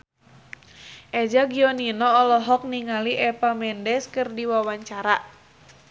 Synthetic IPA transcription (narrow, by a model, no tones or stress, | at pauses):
ʔɛd͡ʒaɡiɔninɔːlɔɦɔk̚niŋaliʔɛpamɛndɛskɨrdiwawaɲt͡ʃaɾa